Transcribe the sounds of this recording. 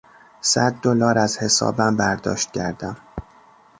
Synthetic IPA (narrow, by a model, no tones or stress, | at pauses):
sæd̪̚ːolɒːɾæzhe̞sɒ̰ːbæmbæɾd̪ɒ̰ːʃt̪̚cʰæɾd̪æm